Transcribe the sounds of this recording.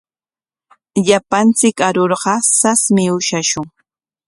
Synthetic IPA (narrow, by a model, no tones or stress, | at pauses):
ʎapant͡sɪkaɾoɾɢɑsasmɪʊʃaʃʊŋ